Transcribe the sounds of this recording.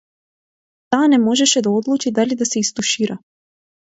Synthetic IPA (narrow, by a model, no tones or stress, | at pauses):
t̪aːnɛmɔʒɛʃɛd̪aɔd̪lˠut͡ʃid̪alid̪asɛist̪uʃiɾa